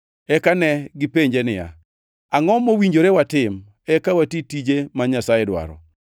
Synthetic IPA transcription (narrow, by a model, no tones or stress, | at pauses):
ɛkanɛɡɪpeɲd͡ʒenɪja̰ | aŋɔmowiɲd͡ʒoɾewatɪm | ɛkawatitid͡ʒemaɲasajedwa̰ɾɔ̰